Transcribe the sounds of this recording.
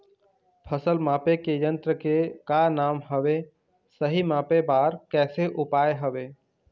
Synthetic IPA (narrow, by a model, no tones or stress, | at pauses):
pʰəsəlmãːpekejə̃nt̪ɾəkekanaːmɦəʋe | səɦimãːpebaːɾkɛːseʔʊpaːeɦəʋeː